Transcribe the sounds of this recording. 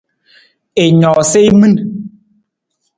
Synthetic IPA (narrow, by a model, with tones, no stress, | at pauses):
e˨ɲɔ˨se˦i˦mɨ˦n